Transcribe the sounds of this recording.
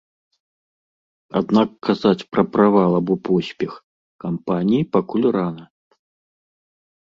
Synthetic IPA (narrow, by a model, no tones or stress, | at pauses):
a̰d̪nakːazat͡sʲpɾɐpɾavalˠabɔpɔsʲpʲɛx | kampanʲijipakulʲranɐ